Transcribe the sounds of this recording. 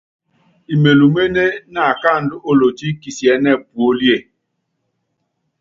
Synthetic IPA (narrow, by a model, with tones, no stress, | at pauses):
i˨me˨lu˨me˦ne˦na˨ka˦˨n̩˦dʊ˦ʔo˦lo˨ti˦ki˨si˨ɛ˨˦nɛ˦˨bu˨o˦li˦e˦˨